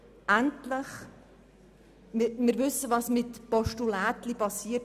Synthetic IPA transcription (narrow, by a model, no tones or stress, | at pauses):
ʔæntləχ | mɪmɪɾʋʏsːəʋɑsmɪtpɔʃtulæːt̪lipɑsiət